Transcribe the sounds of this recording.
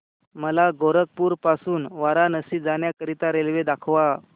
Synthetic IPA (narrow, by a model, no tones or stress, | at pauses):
məlaɡoɾək̚puːɾpasuːnʋaɾanəsiːd͡zanjakəɾit̪aɾelʋed̪akʰʋa